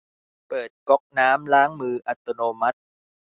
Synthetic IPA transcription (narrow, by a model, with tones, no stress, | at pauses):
pɤː˨˩t̪̚kɔ˦˥k̚naː˦˥mlaː˦˥ŋmɯː˧ʔa˨˩t̪ːo˧noː˧ma˦˥t̪̚